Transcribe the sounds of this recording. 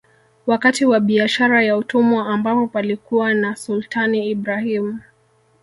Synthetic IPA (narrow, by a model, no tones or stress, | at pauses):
wakatiwaɓiaʃaɾajautumɔambapɔpalikuwanasultʰaniːbɾahimu